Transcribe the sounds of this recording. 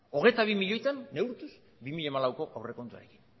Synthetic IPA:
o̞ɣ̞e̞t̪aβ̞imiʎo̞jt̪anːe̞wɾt̪us | bimiʎamalawko̞ʔawre̞ko̞nt̪ua̰ɾe̞ki̥n

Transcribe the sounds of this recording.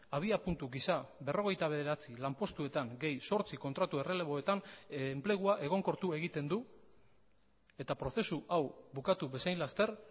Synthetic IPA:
aβ̞iapunt̪uɣisabe̞ro̞ɣ̞e̞jt̪aβ̞e̞ðe̞ɾat͡silampo̞st̪ue̞t̪aŋɡe̞jso̞ɾt͡siko̞nt̪ɾat̪ue̞re̞le̞βo̞e̞t̪anmple̞ɣ̞uaʔe̞ɣ̞o̞ŋko̞ɾt̪ue̞ɣit̪e̞nd̪u | e̞t̪apɾo̞θe̞suʔawbukat̪uβe̞sajnlast̪e̞r

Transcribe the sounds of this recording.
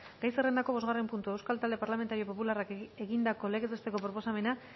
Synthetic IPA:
ɡajsere̞nd̪ako̞β̞o̞zɣare̞mpunt̪ue̞wskalt̪ald̪e̞paɾlame̞nt̪aɾio̞po̞pularakeɣind̪ako̞leɣet̪ust̪eko̞pɾo̞po̞same̞na

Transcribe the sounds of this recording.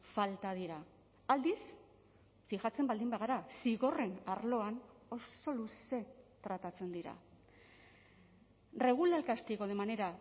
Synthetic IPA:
falt̪að̞iɾa | ald̪is | fixat͡se̞mbald̪imbaɣ̞aɾasiɣo̞re̞naɾlo̞ano̞so̞luse̞t̪ɾat̪at͡se̞nd̪iɾa̰ | re̞ɣ̞ulalkast̪eko̞ðe̞mane̞ɾa

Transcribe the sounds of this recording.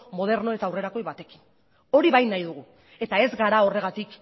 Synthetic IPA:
mo̞ð̞e̞ɾno̞e̞t̪aːwre̞ɾako̞jβat̪e̞ki̥n | o̞ɾiβajnajðuɣ̞u | e̞t̪ae̞zɡaɾao̞re̞ɣat̪ik

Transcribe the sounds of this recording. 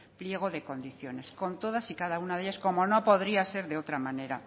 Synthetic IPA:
plje̞ɣ̞o̞ðe̞ko̞nd̪iθjo̞ne̞sko̞nt̪o̞ð̞asikaðaunaðe̞ʎaskomo̞no̞po̞ðɾiase̞ɾðe̞o̞t̪ɾamane̞ɾa̰

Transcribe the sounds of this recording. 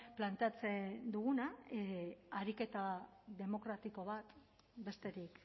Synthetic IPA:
plant̪e̞at͡se̞d̪uɣuna | aɾike̞t̪aðe̞mo̞kɾat̪iko̞β̞at̪ | be̞st̪e̞ɾik

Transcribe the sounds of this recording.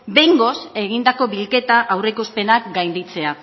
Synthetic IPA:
be̞ŋɡo̞se̞ɣ̞ind̪ako̞βilke̞t̪aʔawrekuspe̞nakɡajnd̪it͡se̞a

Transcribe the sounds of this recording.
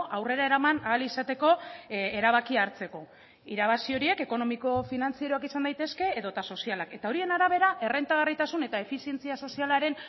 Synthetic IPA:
ʔawre̞ɾae̞ɾamanaːlisat̪e̞ko̞eɾaβakiaːɾt͡se̞ko̞ | iɾaβ̞asio̞ɾie̞ke̞ko̞no̞miko̞finant͡sieɾoakisand̪ajt̪e̞ske̞ːðo̞t̪aso̞sialake̞t̪ao̞ɾie̞naɾaβ̞e̞ɾaʔe̞re̞nt̪aɣ̞arit̪asune̞t̪ae̞fisie̞nt͡siaso̞sialaɾe̞n

